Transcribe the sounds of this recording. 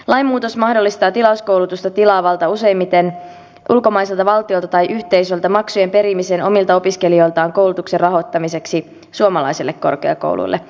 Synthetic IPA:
lɑjmːuːt̪osmɑhdolːist̪ɑːt̪ilɑusko̞wlut̪ust̪ɑt̪ilɑːʋɑlt̪ɑuse̞jmːit̪en | ʔulko̞mɑiselt̪ɑʋɑlt̪io̞lt̪ɑt̪ɑjʔyht̪e̞jsø̞lt̪ɑmɑksuje̞mpe̞ɾimiseːnʔo̞milt̪ɑo̞piske̞lio̞jlt̪ɑːŋko̞wlut̪ukserɑɦo̞t̪ːɑmise̞ksi | suomɑlɑ̰jselːekko̞̰rkeɑ̰ko̰wlʔṵjlːe

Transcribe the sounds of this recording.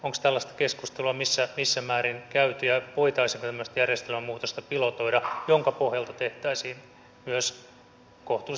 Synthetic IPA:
oŋkst̪ælːɑst̪ɑ̥keskust̪eluɑmisːæmisːæmæːɾinkæyt̪yjæpoit̪ɑisiŋkot̪æmːøst̪jærjest̪elmæmːuːt̪ost̪ɑpilot̪oidɑjoŋkɑpohjɑlt̪ɑt̪eht̪æisiːn | myøs | koht̪u

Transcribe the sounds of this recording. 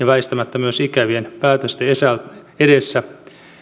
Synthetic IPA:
jɑʋæist̪æmæt̪ːæmyøsikæʋienpæːt̪øst̪eesæl | edesːæ

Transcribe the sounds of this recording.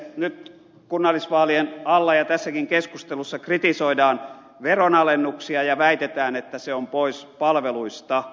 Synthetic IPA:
nyt̪ | kunːɑlːˑisʋɑːlienɑlːɑjɑt̪æsːækiŋkeskust̪elusːɑkrit̪isoidɑːn | ʋeronɑlenːuksiɑjɑʋæit̪et̪æːnet̪ːæseompoispɑlʋeluist̪ɑ

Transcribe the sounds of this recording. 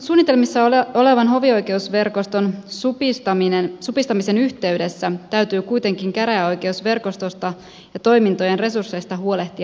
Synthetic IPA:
suːnːit̪e̞lmisːɑoo̞le̞ʋɑnɦo̞ʋio̞jke̞usʋe̞rko̞st̪o̞nsupist̪ɑminensupist̪ɑmise̞nyçt̪eydesːæt̪æɥt̪yːkujt̪e̞ŋkiŋkæɾæo̞jk̟e̞usʋe̞rko̞st̪o̞st̪ɑ | jɑt̪o̞jmint̪o̞je̞nre̞sursːe̞jst̪ɑɦuo̞le̞ht̪iɑ

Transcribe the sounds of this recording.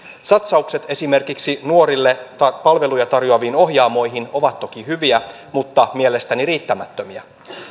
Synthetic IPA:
sɑt̪sɑukse̞t̪e̞sime̞rkiksinuo̞ɾilːeɑpɑlʋe̞lujɑt̪ɑrjoɑʋiːno̞ɦjɑːmo̞jɦino̞ʋɑt̪ːo̞kihyʋiæ | mut̪ːɑmielest̪æniriːt̪ːæmæt̪ːømiæ

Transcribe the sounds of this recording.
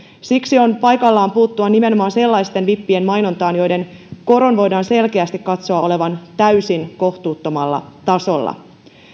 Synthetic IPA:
siksio̞npɑjkɑlːɑːmpuːt̪ːuɑnime̞no̞mɑːnse̞lːɑjst̪enʋipːienmɑjno̞nt̪ɑːnjo̞jde̞nko̞ɾo̞nʋo̞jdɑːnse̞lkeæst̪ikkɑt̪so̞ɑo̞le̞ʋɑnt̪æysinko̞ht̪uːt̪ːo̞mɑlːɑ̰t̪ɑso̞lːɑ̰

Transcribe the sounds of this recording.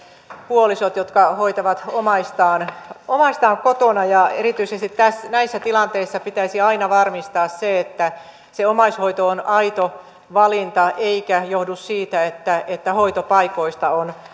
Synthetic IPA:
puolisot̪jot̪kɑhoit̪ɑʋɑt̪omɑist̪ɑːnomɑist̪ɑːŋkot̪onɑjɑḛrit̪yisest̪it̪t̪æsnæisːæt̪ilɑnt̪eisːɑpit̪æisiɑinɑʋɑrmist̪ɑːsseet̪ːæ | seomɑishoit̪oonɑit̪o | ʋɑlint̪ɑeikæjohdussiːt̪æet̪ːæet̪ːæhoit̪opɑikoist̪ɑon

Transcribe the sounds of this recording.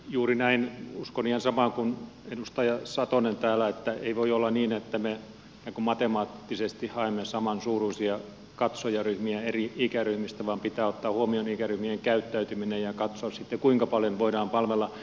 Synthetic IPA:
juːrinæinuskoniːhensɑmɑˑŋkunenust̪ɑjɑsɑt̪onent̪æːlæet̪ːæeiʋoiolːɑniːnet̪ːæme | jɑkummɑt̪emɑːt̪ːisest̪ihhɑemːesɑmɑnsuːruisiɑ | kɑt̪sojɑryhmiæeriikæryhmist̪æʋɑːmpit̪æːot̪ːɑːhuomionikæryhmieŋkæyt̪ːæyt̪yminejɑkɑt̪soɑssit̪ːekuiŋkɑpɑljonʋoidɑːmpɑlʋelːɑ

